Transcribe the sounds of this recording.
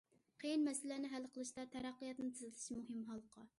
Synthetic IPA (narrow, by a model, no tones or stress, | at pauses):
qʰejinmɛsɪlænɪɦælːqʰəlˠɨʃt̪ɑt̪ʰɛɾæqːijɑt̪nɨt̪ʰɪzɪlʰɪ̥ʃmuɦɨmɦɑlˠqʰɑ